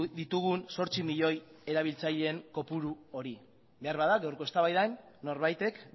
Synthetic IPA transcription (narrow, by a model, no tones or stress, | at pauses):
ðit̪uɣ̞unso̞ɾt͡simiʎo̞je̞ɾaβ̞ilt͡saʎe̞ːŋko̞puɾuo̞ɾi | be̞aɾβaðaɡawɾko̞e̞st̪aβajðanː | o̞ɾβajt̪e̞k